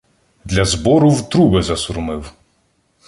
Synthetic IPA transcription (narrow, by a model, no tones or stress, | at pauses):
d̪lʲɐzbɔɾʊwt̪ɾubɪzɐsʊɾʊmɪw